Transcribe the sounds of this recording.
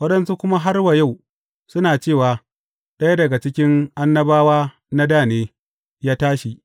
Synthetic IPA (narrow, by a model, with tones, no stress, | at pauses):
wɐ˦ɗɐ˦nsu˦kʷʊ˦ma˦ɦa˦rwa˨ja˦˨w | sʊ˦naː˨t͡ʃeː˦˨waː˨ | ɗɐ˦ja˦dɐ˨ɡa˨t͡ʃɪ˦kʲɪ˦ŋʔa˦nːɐ˦baː˦waː˦ | na˦daː˦˨neː˦ | jaː˦taː˦ʃi˨ʔ